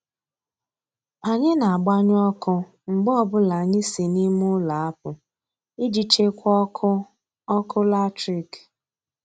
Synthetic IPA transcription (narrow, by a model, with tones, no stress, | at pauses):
a˨ɲɪ˦na˨a˨ɡ͡ba˦ɲ˦ɔ˦kʊ˦ | ŋ͡m̩˨ɡ͡bɔ˦˨bʊ˦la˨ɲɪ˦si˨ni˦mʊ˦la˨a˦p̚ʊ˨ | i˦d͡ʒi˦t͡ʃe˦kʷɔ˦k | ɔ˦kʊ˦la˦tɾi˨k